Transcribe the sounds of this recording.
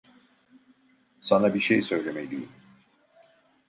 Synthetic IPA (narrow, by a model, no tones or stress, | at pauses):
sanabiʃejsø̞jlʲemelʲijim